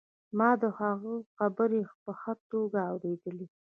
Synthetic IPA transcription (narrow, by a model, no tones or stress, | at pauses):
mɑd̪əhaɣəxabəɾepəxət̪oɡaːwɾed̪əle